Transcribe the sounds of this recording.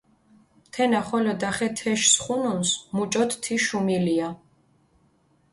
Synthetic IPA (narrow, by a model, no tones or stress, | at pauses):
t̪ʰɛnaχɔlɔd̪aχɛt̪ʰɛʃsχununsmut͡ʃʼɔt̪t̪ʰiʃumilia